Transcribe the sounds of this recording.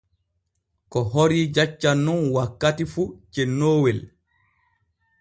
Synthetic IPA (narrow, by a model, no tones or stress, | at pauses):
kɔɦoɾid͡ʒat͡ʃːanːunwakːatifut͡ʃɛnːoːwɛl